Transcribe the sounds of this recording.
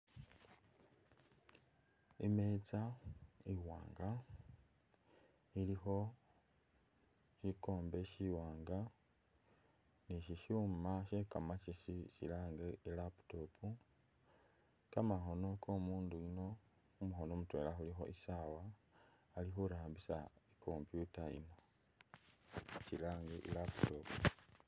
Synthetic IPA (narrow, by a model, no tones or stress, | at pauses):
imet͡saiwa̰ːŋɡa | ilixo̞ | ʃiko̞ːmbe̞ʃiwaːŋɡa | niʃiʃuːmaʃeːkamat͡ʃisicḭlaːŋɡeilapu̥to̞pʰu | kamaxo̞no̞kʰomuːnduino̞ | umuxo̞nomutwe̞̰ːlaxulixo̞̰ʔisawaː | lixuɾaːmbisa̰ekʰo̞mpjutaḭno̞ | cilaːŋɡeʔḭlapu̥topu̥